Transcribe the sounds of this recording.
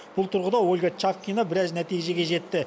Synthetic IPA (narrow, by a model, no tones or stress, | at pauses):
b̥ʊlˠt̪ʰʊɾʁəd̪ɑwolʲɡɑt͡ʃafkʲijnabɪɾɑznæt̪ijʒe̞ɡʲe̞ʒe̞t̪ːɪ